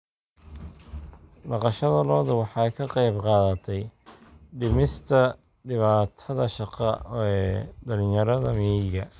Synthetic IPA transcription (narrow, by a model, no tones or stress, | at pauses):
ɖɑqɑʃɐðɐlɔːðʊwɑħɑjkʰɐqɑjbqɑːðɐt̪ʰɛj | ɖɪmɪst̪ʰɐ | ɖɪβaːt̪ʰɐðɐʃɑqɑɛɖɐlɪjɐɾɐðɐmɛjɡɐ